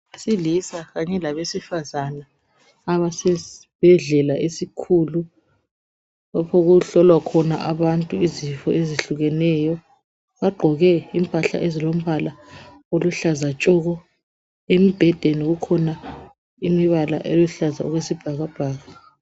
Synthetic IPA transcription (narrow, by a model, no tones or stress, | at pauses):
asilisaɣaɲɛlaβesifazanaː | βasɛsib̥ʱɛɮɛlaesikʰulu | βapʰɔɣuɬɔlwakʰɔna̰ʔaβantʼuizifɔ̰eziɬuɣɛnɛjɔ | βaɡ͡ǃʱɔɣɛimpʼaɬa̰ʔezilom̩βala | oluɬazat͡ʃʼɔɣɔ | emib̥ʱɛd̥ʱeniɣukʰɔna | imiβala̰ʔejuɬaza̰ɔɣwesib̥ʱaɣab̥ʱaːɣa